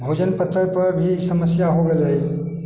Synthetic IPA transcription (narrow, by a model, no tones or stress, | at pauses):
bʱoːd͡ʒənpət̪ːəɾpɐɾbʱisəməsjaɦoɡeləi